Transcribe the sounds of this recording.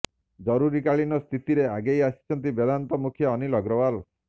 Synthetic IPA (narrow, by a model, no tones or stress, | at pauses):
d͡ʒɔɾuɾikaɭinɔst̪ʰit̪iɾeaɡejasi̥t͡ʃʰɔnt̪̬ibed̪ʱant̪ɔmukʰjɔːnilɔɡɾɔwal